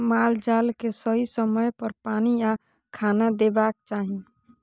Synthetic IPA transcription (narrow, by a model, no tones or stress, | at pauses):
maːld͡ʒaːlkesəɦisəməjpəɾpaːnija | kʰaːnad̪eːbaːk̚t͡ʃaːɦĩ